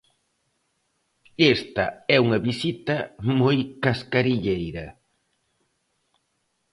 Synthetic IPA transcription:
est̪ɐ̰ɛuŋɐβisit̪ɐmojkaskaɾiʎejɾɐ

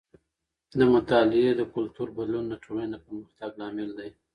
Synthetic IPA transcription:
d̪əmʊt̪ɑlɪed̪əkʊlt̪uɾbad̪lunːaʈʰolanapəɾməxt̪aɡlɑmɪld̪aj

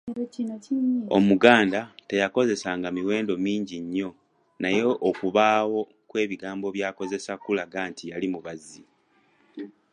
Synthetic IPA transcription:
o̞̰muɡaːndate̞jako̞ze̞saŋɡamiwe̞ːndo̞miːɲɟiɲːo̞ | naje̞ʔːkuβaːwo̞ | kwe̞ːβiɡaːmbo̞βjaːko̞ze̞sakulaɡaːntijalimuβazi

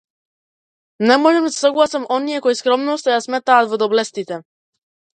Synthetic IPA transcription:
nɛmɔʒɛmsḁsɔɡlˠasamʔɔnijɛkɔiskɾɔmnɔʃt̪ɔjasmɛt̪aːt̪vɔd̪ɔblɛst̪it̪ɛ

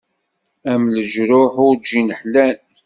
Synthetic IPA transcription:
æmləʒɾʊħʊɾd͡ʒinəħlæn

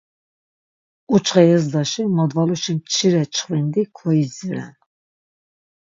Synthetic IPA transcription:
ut͡ʃχɛjɛzd̪ɑʃimad̪valuʃimt͡ʃʰiɾɛt͡ʃʰχvɛnd̪ikʰɔiziɾɛ̰n

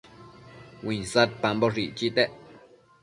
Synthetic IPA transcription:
wiɲsat̪̚pambɔriʔt͡ʃit̪ɛʔ

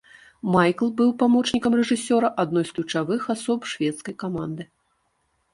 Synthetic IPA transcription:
majklˠbɨwpamɔt͡ʂnʲikɐmrɛʐɨsʲɔɾɐʔad̪nɔjsklʲut͡ʂavɨxasɔpʂvʲɛt̪skɐjkamand̪ɨ

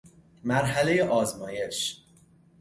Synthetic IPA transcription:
mæɾɦæle̞jeʔɒːzmɒːje̞ʃ

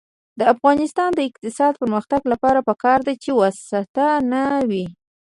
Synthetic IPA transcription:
d̪əafɣɑnɪst̪ɑnd̪əɪq̚t̪ɪsɑd̪̚pəɾməxt̪aɡlapɑɾapəkɑɾd̪at͡ʃewasat̪anawi

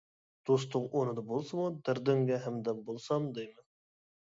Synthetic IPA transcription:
d̪̥ost̪ʊqonɨd̪ɑbolˠsɨmud̪ɪɾd̪øŋɡʲɛɦæmd̪ɛbolˠsɑmd̪ejmɪ

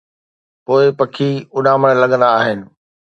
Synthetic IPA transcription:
poːɪpɐkʰiʊɗãːməɽ̃lɐɠə̃nd̪aːɦɪnɪ̆

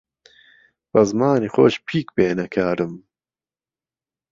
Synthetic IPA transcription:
bɐzmaːniːxoːʃpʰiːkbeːnɐkʰaːɾɨm

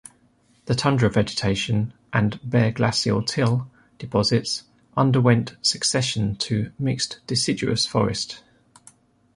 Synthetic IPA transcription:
ðətʰʌ̃ndəɹəvɛd͡ʒɪtʰeɪʃə̃nʔə̃nbɛːɡlasiəlˠtʰɪlˠ | d̥ɪpʰɒzɪts | ʔʌ̃ndəwɛ̃nʔsəksɛʃə̃ntʰəmɪkstd̥ɪsɪd͡ʒʉə̰sfɒ̰ɹɪ̰st

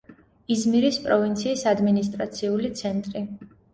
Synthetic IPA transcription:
izmiɾispʼɾɔvint̪sʰiːsad̪minist̪ʼɾat̪sʰiulit̪sʰɛnt̪ʼɾi

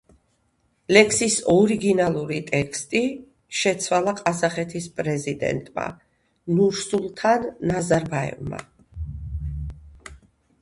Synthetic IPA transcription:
lɛkʰsisɔɾiɡinalˠuɾit̪ʼɛkʰst̪ʼi | ʃɛt̪sʰwalˠaqʼazaχɛt̪ʰispʼɾɛzid̪ɛ̰nt̪ʼma̰ | nuɾsulˠt̪ʰanːazaɾbaɛ̰vma̰

